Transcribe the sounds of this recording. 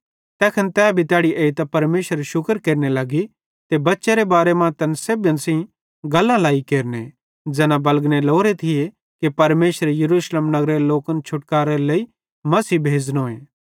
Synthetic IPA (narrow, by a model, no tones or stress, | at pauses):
t̪ɛːkʰɐnt̪ɛːbʱit̪jaːɽiʔeːit̪apɐɾmeːʃəɾʃʊkəɾkeːɾnelaɡi | t̪ebɐtːʃeɾebaːɾemãt̪ɐnseːbə̃nsĩ | ɡɐlːãlaːikeːɾne | d͡ʒɛːnãbɐlɡneloːɾet̪ʰɪje | kipɐɾmeːʃəɾejɐɾuːslemnɐɡɾeeloːkənt͡ʃʰʊʈkaːɾelɐi | mɐsiːbʱeːd͡znoːẽː